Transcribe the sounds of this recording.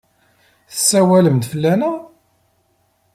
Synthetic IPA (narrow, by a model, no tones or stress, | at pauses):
θəsːæwæləmd̪fəlːænæ